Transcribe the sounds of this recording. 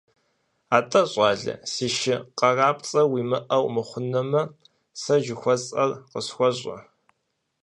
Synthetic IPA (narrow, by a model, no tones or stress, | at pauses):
aːtʼɐɕʼɑːɮɐ̰siːʃɪqɐraːpʼt͡sʼɐwiːmɨʔɐwmɨχʷʊnɐmɐ | sɐʒɪxʷɔzʼɐrqəsxʷɔɕʼɐ̰